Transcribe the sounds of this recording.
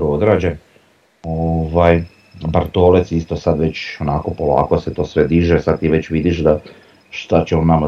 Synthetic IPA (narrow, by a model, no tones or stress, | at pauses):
ood̪ɾaːd͡ʑen | oʋaj | baɾt̪olet̪sist̪osad̪ʋe̞t͡ɕonako̞po̞lˠa̰ːko̞set̪o̞ːsʋed̪iːʒesad̪̚t̪iʋe̞t͡ɕʋid̪iʃd̪a | ʃt̪at͡ɕemonama